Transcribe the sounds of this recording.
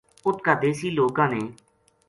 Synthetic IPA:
ʊt̪kad̪eːsiːloːkãːneː

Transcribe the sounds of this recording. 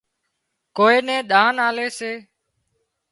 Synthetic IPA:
koːeːnɛ̃ːɗ̪ãːnaːleːseː

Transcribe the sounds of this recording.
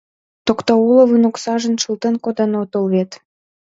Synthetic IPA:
t̪okt̪ɑulə̆βɯnoksɑʒə̆nʃəlt̪enkod̪enot̪olβet̪

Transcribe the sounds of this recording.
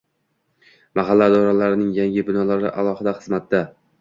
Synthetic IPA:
maɦalːad̪ɒɾalaɾɪnɪŋjaŋʲɪbɪnɒlaɾɪ̰ʔalˠɒhɪd̪aχɨzmat̪̚d̪a

